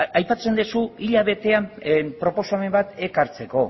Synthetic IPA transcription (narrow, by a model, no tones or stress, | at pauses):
ajpat͡se̞nd̪esuiʎaβ̞e̞t̪e̞ampɾo̞po̞same̞mbat̪e̞kaɾt͡se̞ko̞